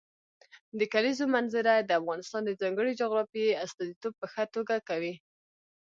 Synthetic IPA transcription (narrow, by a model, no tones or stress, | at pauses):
d̪əkalizomanzɪɾad̪əafɣɑnɪst̪ɑnd̪əzɑŋɡəɽid͡ʒoɣɾɑfieast̪ɑzit̪ob̚pəxat̪oɡakawi